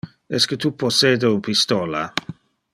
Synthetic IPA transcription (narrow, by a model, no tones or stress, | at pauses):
ɛskət̪uposeːd̪eunpist̪ola